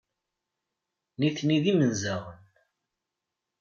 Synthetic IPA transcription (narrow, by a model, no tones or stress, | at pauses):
niθniðimənzaʁən